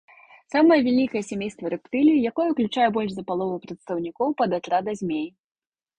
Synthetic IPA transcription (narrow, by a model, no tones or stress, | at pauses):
samɐjɐvʲɛlʲikɐjɛsʲamʲejst̪vɐɾɨpt̪ɨlʲijijakɔjɛuklʲut͡ʂajɛbɔlʲʐzɐpalˠɔvɐpɾɐt̪st̪ɐwnʲikɔwpɐd̪at̪ɾad̪ɐzʲmʲej